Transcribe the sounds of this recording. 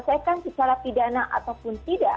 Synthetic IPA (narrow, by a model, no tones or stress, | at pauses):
sajkansət͡ʃaɾapidanaʔa̰t̪awpʊnt̪ida